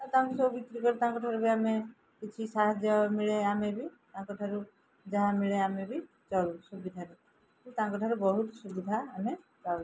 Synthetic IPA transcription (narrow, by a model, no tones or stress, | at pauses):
at̪aãŋkisɔbubikɾikɔɾit̪aãŋkɔʈʰaɾubiame | kit͡ʃʰisaɦad͡ʒɔmiɭeamebit̪aãkɔʈʰaɾu | d͡ʒaɦãmiɭeamebʱi | t͡ʃɔlsubid̪ʱaɾe | ut̪aãŋkɔʈʰaɾubɔɦut̪subid̪ʱaːme | t͡ʃa